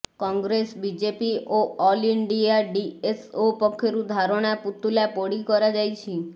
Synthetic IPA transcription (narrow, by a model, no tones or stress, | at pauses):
kɔŋɡɾesbid͡ʒepioɔliɳɖiaɖiesopɔkʰːeɾud̪ʱaɾoɽ̃aput̪ːulapoɽikɔɾad͡ʒajt͡ʃʰi